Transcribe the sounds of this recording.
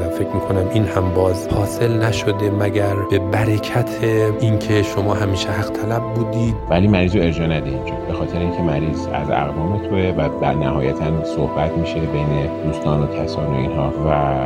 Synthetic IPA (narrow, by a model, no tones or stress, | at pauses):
æfe̞cʰɾmiːkʰonæminhæmbɒːzhɒːse̞lnæʃod̪e̞mæɟæɾb̥e̞bæɾecʰæt̪ʰeincʰe̞ʃo̞mɒːɦæmiːʃehæɣ̥t̪ʰælæbːuːd̪iːd̪væliːmæɾiːzoe̞ɾd͡ʒɒːnæd̪eind͡ʒɒbe̞xɒːt̪ʰeɾeiŋcʰe̞mæɾiːzæ̰zæ̰ɣvɒːmet̪ʰoevæbænæhɒːjæt̪ʰænsohb̥æt̪miːʃebejned̪uːst̪ɒːnocʰæsɒːnoinɦɒːvæ